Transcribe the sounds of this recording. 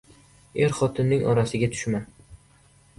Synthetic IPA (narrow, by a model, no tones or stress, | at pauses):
e̞ɾχɒt̪ʰɪnːɪŋʔɒɾasɪɡʲat̪ʰʊ̥ʃman